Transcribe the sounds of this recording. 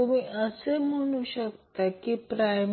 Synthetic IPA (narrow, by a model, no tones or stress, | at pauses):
umiʔəsem̤əɽ̃uɕəkt̪akipɾajm